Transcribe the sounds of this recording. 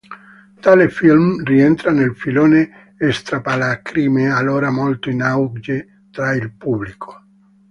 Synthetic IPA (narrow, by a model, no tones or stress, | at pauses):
t̪aːlefilmriɛnt̪ɾanelfiloːne | est̪ɾapalakɾimealːoːɾamolt̪oinawd͡ʒe | t̪ɾailpublikʰo̥